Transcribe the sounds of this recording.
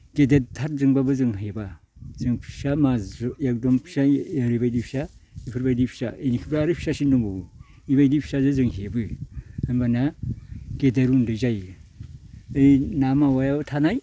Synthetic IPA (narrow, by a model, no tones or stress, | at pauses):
ɡ̥edeɾtʰaɾzɯŋbabɯzɯŋɦeba | zɯŋpʰi̥samajak̚dɔmpʰi̥sajaɾibajdipʰi̥saipʰɯɾbajdipʰi̥sa̰ʔenikʰibaaɾɯpʰi̥sasindɔŋbou | ibajdipʰi̥sazɯzɯŋɦebɯhɯnbana | ɡ̥edeɾundɯzaj | ɯjnamawajaatʰanaj